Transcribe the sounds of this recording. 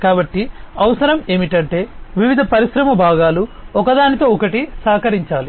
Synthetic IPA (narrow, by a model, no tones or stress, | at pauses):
kaːbɐʈːiɐʋɐsɐɾɐme̞ːmiʈɐɳʈe̞ːʋiʋid̪ʱɐpɐɾiʃɾɐmɐbʱaːɡaːluɔkɐd̪aːnit̪o̞ːɔkɐʈisaːkɐɾiɲt͡ʃaːli